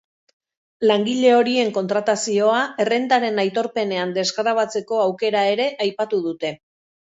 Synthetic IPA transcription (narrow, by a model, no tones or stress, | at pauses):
laŋɡiʎe̞o̞ɾie̞ŋko̞nt̪ɾat̪asio̞ae̞re̞nd̪aɾe̞najt̪o̞ɾpe̞ne̞and̪e̞zɣɾaβ̞at͡se̞ko̞awke̞ɾae̞ɾe̞ʔajpat̪uð̞ut̪e̞